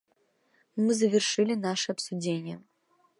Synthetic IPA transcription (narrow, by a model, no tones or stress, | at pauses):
mɨzɐvʲɪrʂɨlʲɪnaʂɨɐpsudʲenʲɪjə